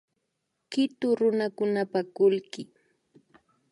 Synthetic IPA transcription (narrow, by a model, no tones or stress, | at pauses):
kɪt̪ʊɾʊnakʊnapakʊlkɪ